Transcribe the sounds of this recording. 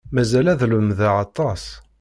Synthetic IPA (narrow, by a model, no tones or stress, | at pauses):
mæzælæðləmðaʕɑt̪ˤːɑs